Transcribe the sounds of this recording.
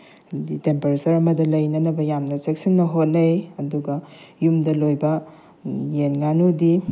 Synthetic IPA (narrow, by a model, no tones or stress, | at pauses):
ditempeɾesɐɾɐmɐdɐlɐjnɐnɐbɐjamnɐsek̚sinːɐɦot̚nɐjɐduɡɐjumdɐlojbɐ | jenŋanudi